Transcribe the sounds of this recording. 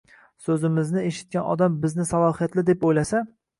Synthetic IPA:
sɵzɪmɪznɪeʃɪ̥t̪̚kʲanɒ̰d̪ambɪznɪsalɒhijat̪lɪd̪epojlasa

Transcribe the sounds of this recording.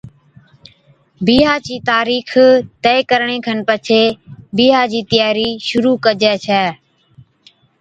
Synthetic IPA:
biːɦaːt͡ʃiːt̪aːɾiːxʰt̪ɛːkəɾɳẽːkʰənpət͡ʃʰeːbiːɦaːd͡ʒiːt̪ɪjaːɾiːʃʊɾuːkəd͡ʒɛːt͡ʃʰɛː

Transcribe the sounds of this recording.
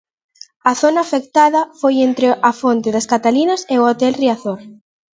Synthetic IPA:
ɐθonɐːfek̚t̪aðɐfojent̪ɾɪʔɐfont̪ɪðɐskat̪alinɐseʊot̪ɛlriaθoɾ

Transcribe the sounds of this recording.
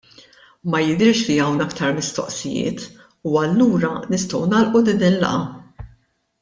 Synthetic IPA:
mɐjɪd̪ɪɾʃliɐwnɐkt̪ɐɾmɪst̪ɔ̰ʔsɪjɪ̰ːt̪ | uɐlːuːɾɐnɪst̪ɔwnɐːlʔulɪd̪iːnlːɐ̰ʔɐ

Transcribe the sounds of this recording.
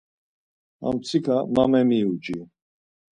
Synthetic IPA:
a̰mt͡sʰikʰamamɛmiud͡ʒʼi

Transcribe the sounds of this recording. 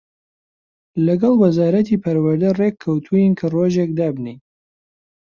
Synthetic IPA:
lɐɡɑlˠwɐzaːɾɐt̪iːpʰɐɾwɐɾd̪ɐrekʰːɐwt̪ʰujinkʰɐroːʒekd̪aːbni

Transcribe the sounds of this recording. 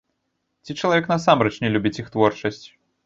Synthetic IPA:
t͡sʲit͡ʂɐlˠavʲɛknɐsamɾɛt͡ʂnʲɛlʲubʲit͡sʲixt̪vɔrt͡ʂɐsʲt͡sʲ

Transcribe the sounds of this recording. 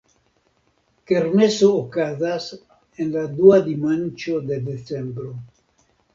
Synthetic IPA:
keɾnesoːkazas | enlad̪uad̪imant͡ʃod̪e̞d̪et͡sembɾo

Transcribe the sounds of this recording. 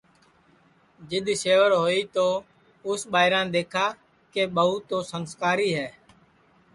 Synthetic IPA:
d͡ʒɪɗ̪seːʋəɾɦoːiːt̪oː | ʊsɓaːɪɾãːɗ̪eːkʰaː | keːɓəɦuːt̪oːsənskaːɾiːɦɛː

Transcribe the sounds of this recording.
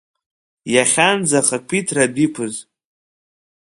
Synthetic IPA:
jaχʲand͡zaχakʷʰitʰrabikʷʰʊz

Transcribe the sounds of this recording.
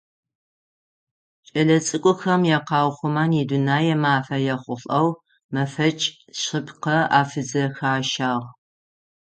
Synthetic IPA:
t͡ʃʼɐɮɐt͡sʼɨkʷʼʊxɐmjɛqɑːwχʷʊmaːnidʊnaːjɛmaːfɐjɛχʷʊɬʼɐw | mɐfɐt͡ʃʼ | ɕɪpʰqɐa̰ːfɨzɐxaːʃaːʁ

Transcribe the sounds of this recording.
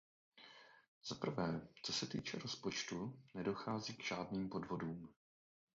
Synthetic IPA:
z̥apɾ̩vɛːt͡so̞sɛt̪ḭːt͡ʃɛɾo̞spo̞t͡ʃt̪unɛdo̞xaːziɡʒ̥aːdniːmpo̞dvo̞duːm

